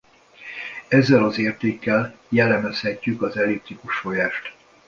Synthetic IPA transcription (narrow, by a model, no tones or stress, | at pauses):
ɛzːɛlɒzeːrt̪eːkːɛljɛlːɛmɛshɛcːykɒzɛlip̚t̪ɾikuʃfo̞jaːʃt̪